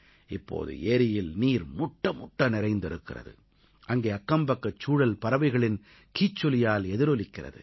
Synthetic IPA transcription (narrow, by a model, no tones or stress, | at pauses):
ɪpːo̰ːðɯ̰ʔeːɾɪjɪlniːɾmʊʈːɐmʊʈːɐnɪɾɐɪnd̪ɪɾɯkːɪrɐ̰ðɯ̰ | ʔɐŋɡeːɐkːɐmbɐkːɐt͡ʃːuːɽɐlpɐɾɐʋɐɪɣɐɭɪn | kiːt͡ʃːɔlɪjaːlɛðɪɾɔlɪkːɪrɐ̰ðɯ̰